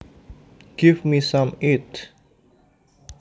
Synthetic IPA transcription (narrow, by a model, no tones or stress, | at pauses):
ɡ̥ivmisãmit